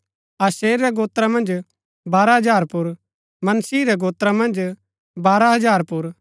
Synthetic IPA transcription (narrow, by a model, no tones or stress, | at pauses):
aːseːɾːɛɡoːt̪ɾamɐ̃nd͡ʒ | baːɾaɦɐd͡ʒaːɾpʊɾ | mɐnsiːɾɛɡoːt̪ɾamɐ̃nd͡ʒ | baːɾaɦɐd͡ʒaːɾpʊɾ